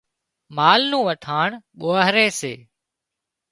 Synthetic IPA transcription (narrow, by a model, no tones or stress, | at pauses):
maːlnũːʋəʈʰaːɳɓoːəɦɾeːsḛː